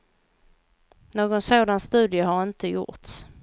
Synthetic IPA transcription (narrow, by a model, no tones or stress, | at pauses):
noːɡɔnsoːd̪anst̪ʉ̟ːd̪ɪəɦaɾɪnt̪əjʊ̰ɾt̪s